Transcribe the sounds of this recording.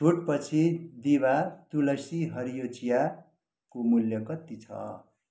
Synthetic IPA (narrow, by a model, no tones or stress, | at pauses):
t͡sʰuʈpʌt͡sʰid̪ibat̪ulʌsiɦʌɾijot͡sija | komuljʌkʌt̪ːit͡sʰʌ̰